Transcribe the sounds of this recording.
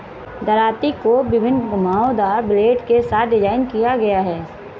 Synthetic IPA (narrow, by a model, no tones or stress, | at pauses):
d̪ɐɾaːt̪ikobɪbʱɪnɡʊmaːõd̪aːɾbɪleːʈkesaːt̪̚ʰɖɪd͡ʒaːɪnkijaɡɐjaɦɛː